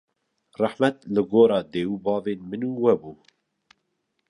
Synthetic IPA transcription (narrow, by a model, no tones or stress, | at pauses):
rˤɑħmɛt̪̚lɨɡoːɾɑːd̪eːwubɑːveːnmɨnuːwɛbuː